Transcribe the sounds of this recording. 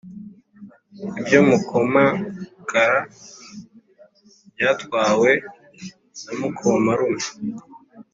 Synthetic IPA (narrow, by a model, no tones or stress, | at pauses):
ibjomukʰomakʰaɾa | bjatwaːwe̞ | namukʰomaɾumu